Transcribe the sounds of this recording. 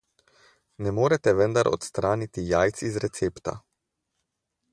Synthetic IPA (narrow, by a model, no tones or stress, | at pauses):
nɛmoːɾɛt̪ɛʋənd̪aɾʔɔ̰t̪st̪ɾaːnit̪ijaːjt̪sizɾɛt̪seːpt̪a̰